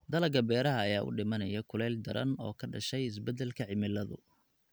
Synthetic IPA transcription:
d̪ɐlɐɡɐbɛːɾɐɦɐːjaːʔʊ̰ɖɪmɐnɐjɐkʰʊlɛːld̪ɐɾɐ̰nɔ̰ːkʰɐɖɐʃɛjɪs̬bɛd̪ɛlkʰɐʕɪmɪlːɐðʊ

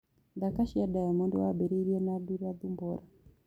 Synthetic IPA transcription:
d̪akaʃiadajamɔnduwa̰bɛɾiɾijɔnaduɾiad̪umbɔɾa

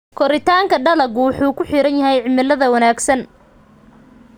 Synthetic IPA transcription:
kʰɔɾɪt̪ʰaːŋkʰɐɖɐlɐɡwɑħuːkʰʊħiɾɐnjɐɦɛjʕɪmɪlːɐðɐwɐnaːɡsɐn

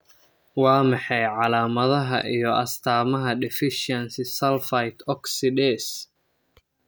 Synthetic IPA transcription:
wɑːmɑħɑjʕɑlaːmɐðɐɦɐ̰ʔijɔʔɐst̪ʰaːmɐɦɐɖ̪ɛfɪʃɐnsɪsɐlfɐjt̪ʰɔksɪd̪ɛːs

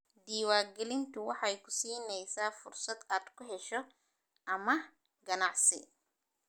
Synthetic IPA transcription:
d̪iːwaːɡɛlɪnt̪ʰʊwɑħɑjkʰʊ̥siːnɛjsaːfʊrsɐd̪aːd̪kʰʊɦɛʃɔ | ʔɐmɐ | ɡɐnɑʕsɪ̰

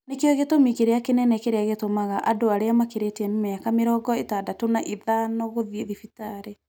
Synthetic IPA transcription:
nekeɔɣetomikeɾeakenɛnɛkeɾeaɣetomaɣaʔadoaɾeamakeɾeteɛnemeakameɾɔːɡɔetadatonaʔeðanɔɣoðieðifitaɾe

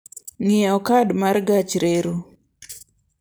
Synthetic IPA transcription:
ŋɪɔkadmarɡat͡ʃɾeɾu

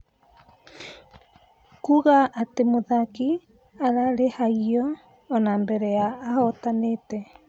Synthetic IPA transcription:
kuɣaʔatemoðaki | aɾaɾehaiɔː | naːmbɛɾɛaːhɔtanetɛ

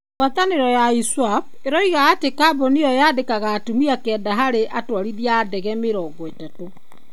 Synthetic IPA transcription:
wataneɾɔjaiswap̚ | eɾɔiɣaːtekabɔnejɔjaːdekaɣaːtumiakɛːdaɦaɾeʔatwaɾiðiaːdɛɣɛmeɾɔːɡɔetato

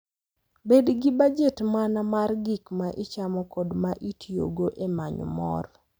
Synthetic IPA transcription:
bedɡibad͡ʒetmanamarɡikmaʔɪt͡ʃamɔkɔdmaʔitʰjjo̰ɡoʔemaɲɔ̰mɔ̰r

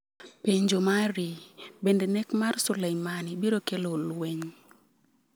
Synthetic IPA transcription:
peɲd͡ʒomaɾibendenɛkmarsʊlejmanibiɾokelolweɲ

